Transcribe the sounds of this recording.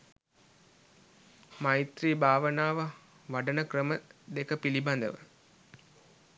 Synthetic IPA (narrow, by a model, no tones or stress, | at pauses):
majt̪riːbʱaːʋənaːʋə | ʋaɖənəkrəməd̪ekəpiliband̪ə̰ʋə